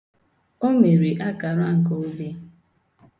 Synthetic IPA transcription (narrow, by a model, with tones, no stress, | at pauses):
o˦me˨ɾe˨ʔa˦ka˨ɾa˦ŋ̩˨ko˨o˦be˦